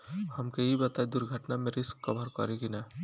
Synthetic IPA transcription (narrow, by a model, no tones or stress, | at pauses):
həmkeɦibət̪aid̪uɾɡʱəʈnameɾɪskːɔbʱəɾkɔ̰ɾekina